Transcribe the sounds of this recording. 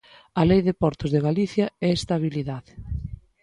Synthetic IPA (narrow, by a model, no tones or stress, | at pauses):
ɐlejðɪpɔɾt̪ʊzðeɣaliθjɐɛest̪aβ̞iliðaðɪ